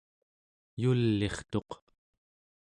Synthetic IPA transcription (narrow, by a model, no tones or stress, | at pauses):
julːe̞χt̪o̞q